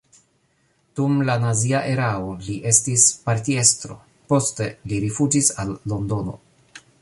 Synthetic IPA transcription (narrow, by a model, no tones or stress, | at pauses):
d̥umlanaziaʔe̞ɾaoliʔe̞stispaɾtie̞stɾo̞̰ | po̞ste̞liɾifud͡ʒisalːo̞ndo̞no̞̰